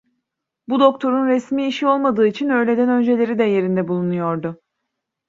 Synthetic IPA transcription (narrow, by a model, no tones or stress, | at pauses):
bud̪o̞k̚t̪ʰo̞ɾunɾɛsmiːʃio̞lˠmad̪ɯːit͡ʃʰinø̞jlʲe̞d̪ænø̞nd͡ʒe̞lʲe̞ɾid̪ɛje̞ɾind̪ɛbulˠunujo̞ɾd̪ʊ